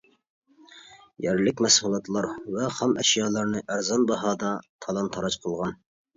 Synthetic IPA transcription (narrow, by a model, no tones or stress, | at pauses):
jæɾlɪkʲmɛsulˠɑt̪lˠɑɾvɛχæmʔɛ̰ʃjɑːlˠɑɾnɨʔæɾzɑnbɑɦɑːd̪ɑt̪ʰɑlˠɑnt̪ʰɑɾɑt͡ʃqʰəlˠʁɑn